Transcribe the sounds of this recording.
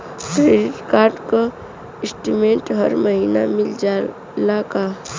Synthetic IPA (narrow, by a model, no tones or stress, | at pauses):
kɾeːɖɪʈkaːɾɖko | ɪsʈimẽːɳʈɦəɾməɦiːnamɪld͡ʒa | laːka